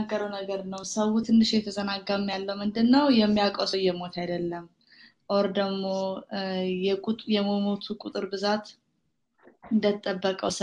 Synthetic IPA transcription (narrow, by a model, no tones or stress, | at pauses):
aɡːəɾəwnəɡəɾnəwsəwut̪ʰɨnːɨʃjɛt̪ʰəzənaɡːamjalːəwmɨnd̪ɨnːəwjɛmːijakʼosojɛmo̞t̪ʰajd̪əlːəm | ʔoɾd̪əɡmo | jɛkʼujɛmomot̪ʰukʼut̪ʼɨɾbɨzat̪ | ɨnd̪ət̪ʼːəbːəkʼəs